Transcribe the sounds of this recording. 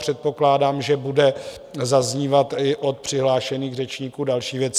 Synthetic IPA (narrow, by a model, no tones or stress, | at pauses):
r̝̥ɛt̪̚po̞klaːdaːmʒɛbudɛ | zazɲiːvat̪ɪʔo̞t̪̚pr̥ɪɦlaːʃɛniːɣrɛt͡ʃɲiːkuːdalʃiːvjɛt͡s